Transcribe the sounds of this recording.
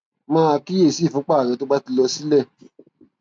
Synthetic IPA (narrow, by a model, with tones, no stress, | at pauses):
mãː˦˧ki˦je˦˨si˦˨fũ˨˦k͡pa˦˨ɾɛ˨to˦ɡ͡ba˦ti˧lɔ˧si˦lɛ˦˨